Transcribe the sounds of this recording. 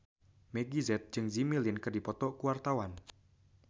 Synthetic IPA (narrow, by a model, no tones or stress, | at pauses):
meɡizɛt̪̚d͡ʒɨŋzimilɪnkərdipɔt̪ɔʔkuwart̪awan